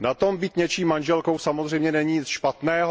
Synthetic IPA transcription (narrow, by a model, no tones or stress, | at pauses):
nat̪ombiːt̪ɲɛt͡ʃiːmːanʒɛlkowsamo̞zr̝ɛjmɲɛnɛɲiːɲɪt͡sʃpat̪nɛːɦ